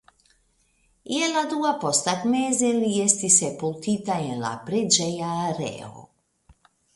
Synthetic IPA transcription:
jɛlad̪uapost̪akmezɛlijɛst̪isɛpult̪it̪ajɛla̰pɾɛd͡ʒɛjaɾɛ̰o̰

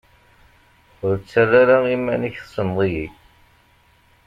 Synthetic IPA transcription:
ʊɾt͡sːaraɾaimænəçθsənðˤiji

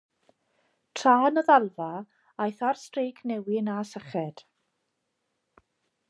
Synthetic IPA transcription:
tʰraːnəðalˠva | ajθarstrejkʰnɛwɪnasəχɛd̥

